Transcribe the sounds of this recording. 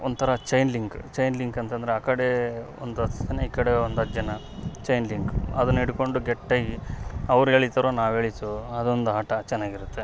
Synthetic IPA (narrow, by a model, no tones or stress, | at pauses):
ond̪t̪ʰɐɾɐt͡ʃɐjnliŋkt͡ʃɐjnliŋkɐnt̪ɐnd̪ɐɾeaːkɐɽeo̰nd̪uɐt̪t̪ɐnːeiːkɐɽeond̪ɐt̪ːd͡ʒɐnɐ | t͡ʃɐjnliŋkɐd̪ɐnːiɽuko̞ɳɖuɡeʈːɐːɡiɐʋɾueːɭit̪ɐɾoːnaːʋe̞ːɭit̪uɐd̪o̞nd̪uɦaːʈɐt͡ʃɛnːaːɡiɾut̪ːe̞